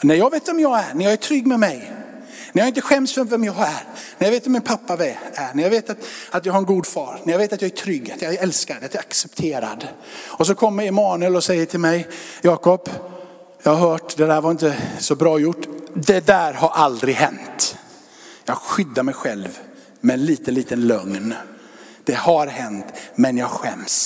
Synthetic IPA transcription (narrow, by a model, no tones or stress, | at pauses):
nɛjɑːɡveːt̪vɛmjɑːɡænæɾjɑːɡæʈʰɾʏɡːmɛmɛj | næɾjɑːɪnt̪əɧɛmsvɛvɛmjɑɡæɾnæɛjɑːveːt̪vɛmɪnpʰapːavɛænɛɾjɑɡveːt̪at̪at̪jɑɡɦhaɾɛnɡuːd̪fɑːɾnæɾjaɡveːt̪at̪jɑɡæʈʰɾʏɡat̪jɑɛlskaɾɛat̪ɛɾaksɛpt̪ʰeːɾa̰d̪ | ɔs̬ɔkʰɔmːəɾɛmɑːnʉəlɔsɛjːəʈʰɪlmɛjjɑːkɔpː | jɑːhaɦœːʈd̪ɛd̪æːɾvaɾɪnt̪əsɔbɾɑːjʊʈːd̪ɛd̪æːɾhaɾʔald̪ɾɪɡɦɛnt̪ | jɑːɡɧʏd̪ːaɾmɛjɧɛlv | mɛnliːt̪ənliːt̪ənlœŋn | d̪̥ɛhaɾɦɛnt̪mɛnjɑːɡɧɛ̰ms